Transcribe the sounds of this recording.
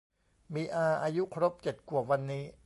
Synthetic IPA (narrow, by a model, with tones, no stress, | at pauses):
miː˧ʔaː˧ʔaː˧ju˦˥kʰɾo˦˥p̚t͡ɕe˨˩t̪̚ku˨˩wa˧nːiː˦˥